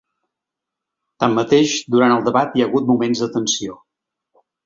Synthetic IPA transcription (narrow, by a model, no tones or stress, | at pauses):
t̪amːət̪eʃd̪uɾanəlˠd̪əβat̪jəɣut̪̚mumenzd̪ət̪ənsio